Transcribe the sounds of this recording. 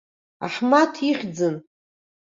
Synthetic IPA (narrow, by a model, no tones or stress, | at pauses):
a̰ħmatʰiχʲd͡zɨn